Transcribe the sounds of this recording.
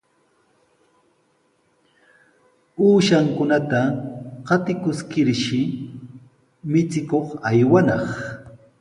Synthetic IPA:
uːʃaŋkʊnat̪aqɑt̪ɪkʊskɪɾʃɪ | mɪt͡sɪkoχajwanɑχ

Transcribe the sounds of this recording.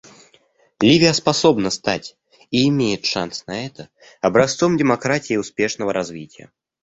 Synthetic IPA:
lʲivʲɪjəspasɔbnəst̪a̰tʲ | iːmʲejɪt̪ʂa̰nsnɐɛt̪ə | ɐbɾɐst̪sɔmdʲɪmakɾatʲɪjɪʊspʲeʂnəvəɾazvʲitʲɪjə̰

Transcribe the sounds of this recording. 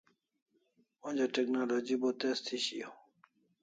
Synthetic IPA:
wõnd͡ʑaʈeknalod͡ʑibot̪est̪ʰiɕijo

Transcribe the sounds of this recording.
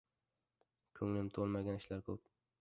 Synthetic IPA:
kʲʰɵŋlɪmt̪ʰolˠmaɡʲanɪʃlaɾkʲʰɵp̚

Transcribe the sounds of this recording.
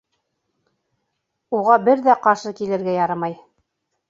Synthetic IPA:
uʁɑbɘɾðæqɑɾʃɤkilɘ̆ɾɡæjɑɾɤmɑj

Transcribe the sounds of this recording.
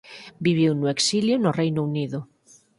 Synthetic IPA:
biβ̞iwnʊeksiljonʊrejnouniðʊ

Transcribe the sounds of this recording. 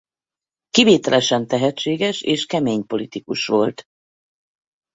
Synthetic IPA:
kiveːt̪ɛlɛʃɛnt̪ɛɦɛt͡ʃːeːɡɛʃeːʃkɛmeːɲpo̞lit̪ikuʃʋo̞lt̪

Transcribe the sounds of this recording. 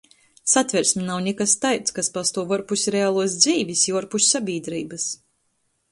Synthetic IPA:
sat̪vʲɛɾsʲmʲinawnʲɛkast̪ajt̪skaspast̪uɔvɔɾpusʲɾeaːlˠuɔs̬d̪ziːvʲisjuɔɾpusʲsabʲiːd̪ɾiːbɨs

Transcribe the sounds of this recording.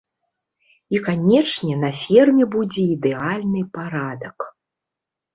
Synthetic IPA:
ikanʲɛt͡ʂnʲɛnɐfʲirmʲɛbud͡zʲɛid̪ɛalʲnɨpaɾad̪ɐk

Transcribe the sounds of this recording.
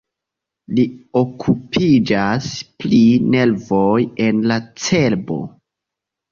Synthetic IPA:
lio̞kʰupʰid͡ʒaspline̞lvo̞je̞nlat͡se̞lbo̞̰

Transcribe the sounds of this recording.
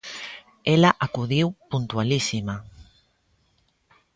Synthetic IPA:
elaʔakuðiwpunt̪ualisima

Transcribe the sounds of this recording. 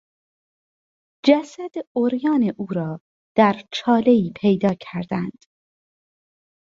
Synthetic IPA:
d͡ʒæsæd̪̥oɾjɒːneʔuːɾɒː | d̪̥æɾt͡ʃʰɒːle̞iːpʰejd̪ɒːcʰæɾd̪ænd̪̥

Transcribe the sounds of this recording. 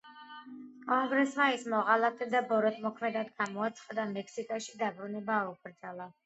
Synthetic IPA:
ɔɡɾɛsmaismɔʁalˠat̪ʼɛd̪abɔɾɔt̪ʰmɔkʰmɛd̪ad̪ɡamɔat̪sʰχʼad̪amɛksikʼaʃid̪abɾunɛbaːuk̚ʰʼɾd̪zalˠa

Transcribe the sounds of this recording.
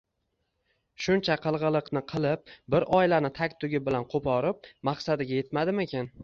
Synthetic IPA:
ʃʊnt͡ʃʰaqʰɨlˠʁɨlˠɨqnɪqʰɨlˠɪp̚bɪɾʔɒjlanɪt̪ʰakʲt̪ʰʊɡʲɪbɪlanqʰopʰɒɾɪp̚maqsad̪ɪɡʲaje̞t̪mad̪ɪme̞kʲan

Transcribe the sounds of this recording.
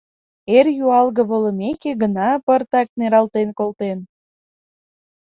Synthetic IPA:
erjuɑlɣə̆βə̆lə̆mekeɣənɑpərt̪ɑk̚neɾɑlt̪enkolt̪en

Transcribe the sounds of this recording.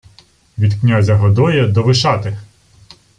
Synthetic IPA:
ʋʲid̪knʲazʲɐɦɔd̪ɔjɐd̪ɔʋɪʃɑt̪ɪ

